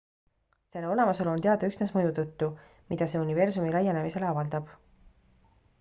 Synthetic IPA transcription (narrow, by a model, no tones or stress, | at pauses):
se̞lːeo̞le̞mɑse̞lo̞nt̪e̞ɑd̪̥ɑyksne̞smɤjut̪ɤt̪ːu | mid̪̥ɑse̞unive̞rsumilæjene̞mise̞leɑvɑld̪̥ɑb̥